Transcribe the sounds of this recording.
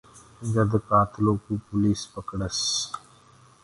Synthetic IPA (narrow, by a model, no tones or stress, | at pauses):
ɡɐd̪kaːt̪ʰloːkupʊliːspəkɽəs